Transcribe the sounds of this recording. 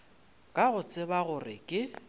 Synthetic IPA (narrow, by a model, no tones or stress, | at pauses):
kʼaɣʊt͡sʼɪbaɣʊrɪkʼɪ